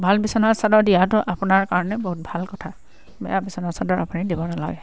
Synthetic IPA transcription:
bʱalbisɔnasadɔɹdijatʊʔapʊnaɹkaɹɔnɛboɦut̚bʱalkɔtʰa | bɛ̰jabisɔnasadɔɹapʊnidibɔnala̰ɡɛ

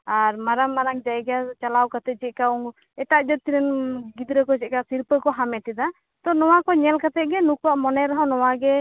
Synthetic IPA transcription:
aɾmaɾaŋːaɾaŋd͡ʒaɛɡat͡ʃalawkat̪ɛd͡ʒɛʔ̚kauŋ | ɛt̪aʔd͡ʒɔt̪iɾɛnɡid̪ɾəkɔd͡ʒɛt̪̚kasiɾpəkɔɦamɛt̪ɛd̪a | t̪ɔnɔwakɔɲɛlkat̪ɛʔ̚ɡɛnukwaʔmɔnɛɾɔɦɔ̃nɔwaɡɛ

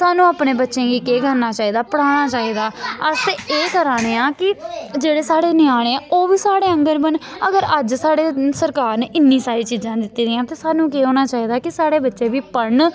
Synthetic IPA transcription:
saːnũːaːpnẽːbətːʃẽːɡiːkeːɡəɾnaːt͡ʃaːiːd̪aːpəɽaːɽ̃aːt͡ʃaːiːd̪aːəseːkəɾaːɽ̃eːãːkɪd͡ʒeːɽeːsaːɽeːnɪaːɽ̃eoːʋiːsaːɽeːə̃ŋɡəɾbənəɡəɾəd͡ʒsaːɽeːsəɾkaːɾneːʔɪnːĩːsaːɾiːt͡ʃiːd͡ʒãːd̪ɪt̪ːiːd̪ɪjãːt̪eːsaːnũːkeːɦoːñaːt͡ʃaːiːd̪aːkɪsaːɽeːbətːʃeːbiːpəɳ

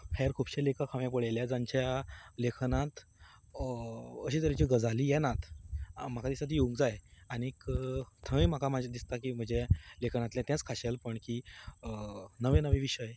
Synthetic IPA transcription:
fʰɛɾkʰubɕelekʰakʰaʋjap̬əɽeljad͡zaɲt͡ɕjalekʰnãt̪ | əɕiːt̪əɾit͡ɕiɡəd͡zaliːjɛnat̪m̤akad̪isat̪ijoũŋkd͡zajañikt̪ʰəʋẽm̤akamad͡ʑad̪ist̪akiːm̤əd͡ʑelekʰənat̪ljɛ̃t̪jãt͡skʰaɕelpəɳkiː | nəʋẽnəʋẽʋiɕəj

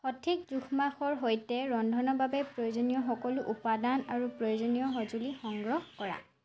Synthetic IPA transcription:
xɔtʰikzuxʰmaxɔɹɦojtɛɹɔndʱɔnɔbabɛpɹojozɔnijɔxɔkɔluʔupadanaɹupɹɔjozɔnijɔɦɔzulixɔŋɡɹɔxhkɔɹa̰

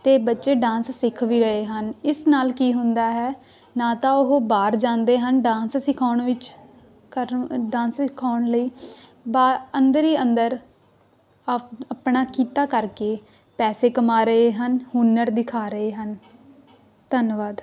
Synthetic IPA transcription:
t̪eːbətːʃeːɖãːnssɪkʰʋiːɾəɦeːɦənɪsnaːlkiːɦʊ̃nd̪aːɦɛː | nãːt̪ãːʊɦoːbaːɾd͡ʒãːnd̪eːɦənɖãːnssɪkʰaːʊɳʋɪt͡ʃ | kəɾɖãːnssɪkʰaːʊɳləiː | baːənd̪əɾiːənd̪əɾ | əpɳaːkiːt̪aːkəɾkeː | pɛːseːkəmaːɾəɦeːɦənhʊnəɾd̪ɪkʰaːɾəeːɦən | t̪ənʋaːd̪

